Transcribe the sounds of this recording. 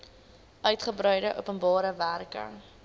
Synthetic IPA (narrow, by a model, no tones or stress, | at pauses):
œɥtχəbɾœɥdəʔṵpənbɑːɾəværkə̰